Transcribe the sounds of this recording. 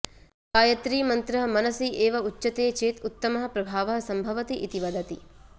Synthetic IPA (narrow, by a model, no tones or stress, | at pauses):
paːjɐt̪ɾiːmɐnt̪ɾɐɦɐ̆mɐnɐsiʔeːʋɐut͡ʃːɐt̪eːt͡ʃeːt̪ut̪ːɐmɐɦɐ̆pɾɐbʱaːʋɐɦɐ̆sɐmbʱɐʋɐt̪iʔit̪iʋɐd̪ɐt̪i